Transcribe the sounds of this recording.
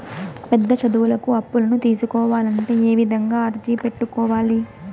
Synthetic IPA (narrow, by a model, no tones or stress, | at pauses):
pɛd̪ːɐt͡ʃɐd̪uwulɐkuɐpːulɐnut̪iːsukɔːʋaːlɐɳʈe̞ːeːʋid̪ʱɐŋɡaːɐɾd͡ʒiːpe̞ʈːukɔːʋaːli